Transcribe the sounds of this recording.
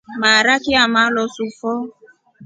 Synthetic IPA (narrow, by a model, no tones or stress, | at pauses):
maɾakɪamalɔsufɔ